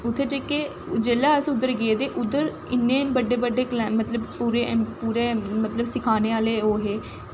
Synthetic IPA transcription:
ʊt̪ʰːeːd͡ʒeːke | d͡ʒeːlaːəsʊd̪ːəɾɡeeːd̪eːʔʊd̪ːəɾ | ɪnːẽːbəɖeːbəɖːeːklmət̪ləbpuːɾepuːɾeːmət̪ləbsɪkʰaːneːaːleːoːɦeː

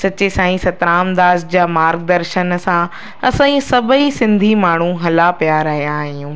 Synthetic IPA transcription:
sɐt͡ɕesãːĩsɐt̪ɾaːmd̪aːsd͡ʑaːmaːɾɡ̚d̪ɐɾʃənsã | ɐsãːĩsɐbʱəisɪ̃nd̪ʱimaːɳ̤ũɦɐlapijaɾɐɦijaːɦijũː

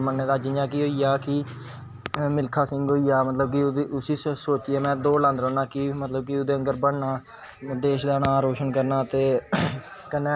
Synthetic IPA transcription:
mənːeːd̪aːd͡ʒijãːk̬iɦoːiːaːkɪ | mɪlkʰaːsɪ̃ŋɡɦoːiːaːmət̪ləb̚kɪʊsiːsoːt͡ʃiaːmɛ̃ːd̪oːlãːnd̪ɾɔːnaːkɪmət̪ləb̚kɪʊd̪eːəŋɡəɾbəɽnaː | d̪eːʃd̪aːnaːɾoːʃənkəɾnaːt̪eː | kənːẽː

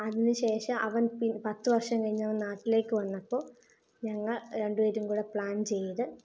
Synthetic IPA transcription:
ɐðinɨɕe̞ːʂɐmʔɐʋɐnpinpɐt̪ːɨʋɐrʂɐmkɐɻiɲːɐʋɐnnaːʈːile̞ːkːɨʋɐnːɐpːo̞ː | ɲɐŋːɐɭɾe̞ɳɖuʋeːɾumkuːɽepɭaːnt͡ɕe̞jːɐðɨ

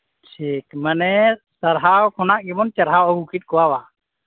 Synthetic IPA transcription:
ʈʰikmənɛsəɾɦawkʰɔnaʔɡɛmɔnt͡ʃaɾɦawɔɡukit̪̚ˀkɔwawa

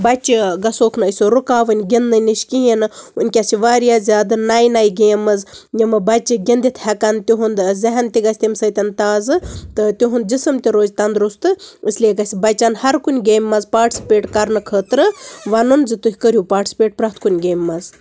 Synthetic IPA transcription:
bɐt͡ʃiɡɐsoːkʰnɨəsʲoːɾukaːʋɨnʲɡʲind̪ɨniʃkijinɨunʲkʲasiʋaːɾijaːzʲaːd̪ɨnajnajɡeːmɨzjimɨbɐt͡ʃiɡʲind̪it̪ʰhɐkɐnt̪ʲiɦund̪zɐɦɐnt̪ʲiɡɐsʲt̪imsəːt̪ʲɐnt̪aːzɨt̪ɨt̪ʲiɦund̪̚d͡ʒisɨmt̪ʲiɾoːzʲt̪ɐnd̪ɾust̪ɨɨsʲlieɡɐsʲbɐt͡ʃɐnhɐɾkunʲɡeːmːɐzpaːʈsʲi̥peːʈkɐɾnɨkʰəːt̪ɾɨʋɐnunzɨt̪uɦʲkəɾʲjupaːɾʈisʲi̥pʲeːʈ̚pɾɐt̪ʰkunʲɡeːmːɐz

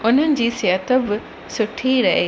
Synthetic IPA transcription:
ʊn̤ənɪ̆d͡ʑiːsijət̪əbɪ | sʊʈʰiɾɐɦeː

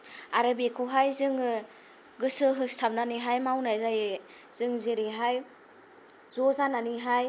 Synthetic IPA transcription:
aɾɯbekʰɯwɦajzɯŋɯ | ɡɯsɯɦɯstʰab̚naniɦajmawnajzaje | z̥ɯŋzeɾiɦaj | zɔzananiɦaj

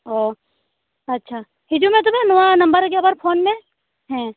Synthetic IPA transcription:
oː | ɐtːʃʰaː | hɪd͡ʒumẽt̪̬ʊmẽnʊʋanɐ̃mbəɾkabəɾpʰoːnmẽ | ɦɛ̃ː

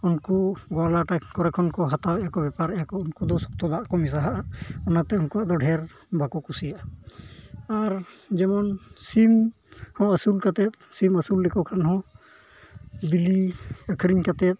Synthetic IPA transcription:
unkuɡɔlaʈakɔɾɛkʰːɔnkɔɦat̪awɛjakɔbɛpaɾɛjakɔunkud̪ɔsɔ̥k̚t̪ɔd̪aʔakɔmis̬aɦaʔaɔnat̪ɛunkuaʔd̪ɔɖʱɛɾ | bakɔkusijaʔa | aɾd͡ʒɛmɔnsim | hɔ̃əsulkat̪ɛt̪̚siməsulːɛkɔkʰanhɔ̃ | biliəkʰɾiɲkat̪ɛt̪̚

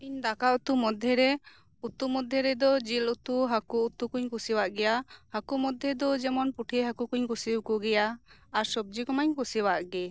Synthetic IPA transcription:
iɲd̪akaut̪umɔd̪ʱjɛɾɛ | ut̪umɔd̪ʱjɛɾɛd̪ɔd͡ʒilut̪uɦakuut̪ukuɲkusiwaʔɡɛjahakumɔd̪ʱːjɛd̪ɔd͡ʒɛmɔnpuʈʰieɦakukuɲkusibkɔɡɛjaːɾsɔb̚d͡ʒikɔmaɲkusiwaʔɡɛ

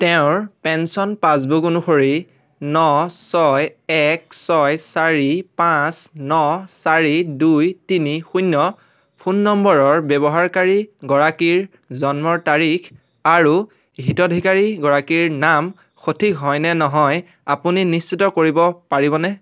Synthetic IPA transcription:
tɛʊ̃ɹpɛnsɔnpãs̬bukunuxoɹi | nɔsɔjɛksɔjsaɹipãsnɔsaɹidujtinixunːɔ | pʰunːɔmbɔɹɔɹbjɛbɔɦaɹkaɹiɡɔɹakiɹ | zɔnmɔɹtaɹik | aɹu | ɦitɔdʱikaɹiɡɔɹakiɹnam | xotʰikɦɔjnɛnɔɦɔj | apuninistitɔkoɹibɔpaɹibɔnɛ

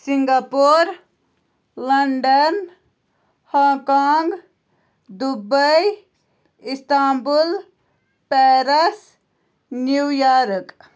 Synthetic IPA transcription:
siŋɡaːpoːɾ | lɐɳɖɐn | hãːkaːŋɡ | d̪ubəj | ist̪aːmbul | pɛɾɐs | nujaːɾk

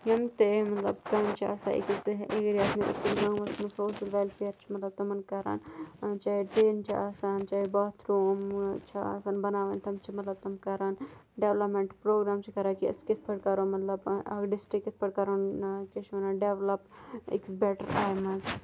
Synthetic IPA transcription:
jɐmt̪emɐt̪lɐ̰bkɐnt͡ʃʰia̰ːsa̰ːʔḭksʔekɾiaːsneʔḭk̪ilɡãːwmɐsmɐsoːʃɐlʋeːlpʰeːɐɾt͡ʃʰi̥mɐt̪lɐb̚t̪ɐmɐnkɐɾa̰ːnt͡ʃaːiʈeːnt͡ʃʰiaːsaːnt͡ʃaːibɐt̪ʰɾoːmt͡ʃʰia̰ːsaːnbɐnaːʋɐnt̪ʰɐmt͡ʃʰimɐt̪lɐb̚t̪ɐmkɐɾaːnɖeːʋlɐpmeɳʈpɾoːɡɾaːmt͡ʃʰikɐɾaːkiɐ̰skɪt̪ʰpɐɽkaːɾoːmɐt̪lɐbɐ̰kɖɪsʈikːɪt̪ʰpɐɽkaːɾoːnket͡ʃʰʋɐnaːɖeːʋlɐpḭksbɛːʈə̰ɾa̰ːimɐz

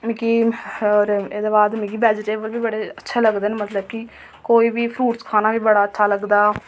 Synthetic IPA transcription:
mĩːkiːɔːɾeːd̪eːbaːd̪mĩːkiːbɛːd͡ʒʈeːʋəlʋiːbəɽeːətːʃʰeːləɡd̪eːneːmət̪ləb̚kɪ | koːiːbiːpʰɾuːʈskʰaːnaːʋiːbəɽaːətːʃʰaːləɡd̪aː

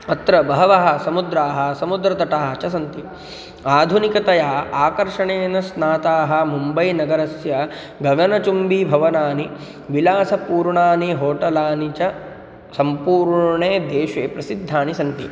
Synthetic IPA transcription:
ɐt̪ɾɐbɐɦɐʋɐɦɐ̆sɐmud̪ɾaːɦɐ̆sɐmud̪ɾɐt̪ɐʈaːɦɐt͡ʃɐsɐnt̪i | aːd̪ʱunikɐt̪ɐjaːaːkɐɾʂɐɳeːnɐsnaːt̪aːɦɐ̆mumbɐjnɐɡɐɾɐsjɐ | ɡʱɐɡɐnɐt͡ʃumbibʱɐʋɐnaːni | ʋilaːsɐpuːɾɳaːniɦoːʈɐlaːnit͡ʃɐ | sɐmpuːɾɳeːd̪eːʂeːpɾɐsid̪ʱːaːnisɐnt̪i

